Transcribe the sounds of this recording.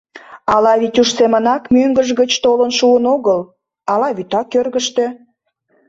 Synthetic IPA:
ɑlɑβit̪ʲuʃsemənɑkmøŋɡəʒɣət͡ɕt̪olənʃuənoɣəl | ɑlɑβyt̪ɑkːørɣəʃt̪ø

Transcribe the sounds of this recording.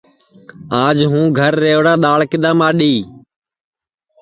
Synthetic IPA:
aːd͡ʒɦũːɡʱəɾːeːʋɽaːɗ̪aːɭkɪd̪aːmaːɗiː

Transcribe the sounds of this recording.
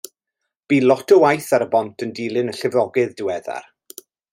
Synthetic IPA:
b̥iːlˠɔtʰɔwajθaɾəbɔntʰəndilˠɪnəɬɪvɔɡɪðdɪwɛða̰r

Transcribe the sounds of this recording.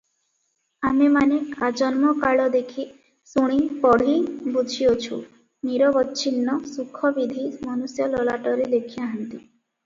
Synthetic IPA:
amemanead͡ʒɔnmɔkaɭɔd̪ekʰi | suɽ̃ipɔɽ̤ibud͡ʒʱiot͡ʃʰu | niɾɔbɔtːʃʰinːɔsukʰːɔbid̪ʱimɔnusjɔlɔlaʈɔɾed̪ekʰiaɦant̪i

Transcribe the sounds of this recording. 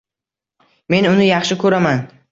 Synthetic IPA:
me̞nʊnɪjɑχʃɪkʰɵɾaman

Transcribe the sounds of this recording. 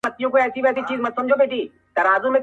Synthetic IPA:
ɐt̪ːijõkoɛːsibɛːsit͡ʃiːzmɐd̪sɐmd͡ʒʱobeːʈiː | t̪ɐɾaːzũmẽ

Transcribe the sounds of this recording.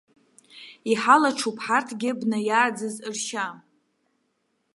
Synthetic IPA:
iħalaʈ͡ʂʰupʰħartʰɡʲɪbnajaːd͡zɨzɨrʃa

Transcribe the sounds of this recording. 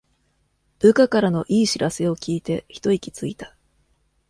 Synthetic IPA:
b̥ɯ̟kakaɾano̞ʔiːɕiɾase̞o̞kʲiːt̪e̞çi̥t̪o̞ikʲi̥t͡sɨit̪ḁ

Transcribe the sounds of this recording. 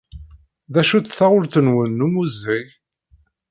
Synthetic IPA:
ðæʃut͡sθaʊlθənwənːumuzij

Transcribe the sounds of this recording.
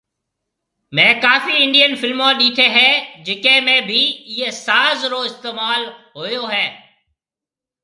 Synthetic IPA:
mɛ̃ːkaːfiːɪɳɖijənfɪlmõːɗiːt̪ʰeːɦɛːd͡ʒɪkẽːmẽːbʱiːjeːsaːzɾoːɪst̪eːmaːlɦoːjoːɦɛː

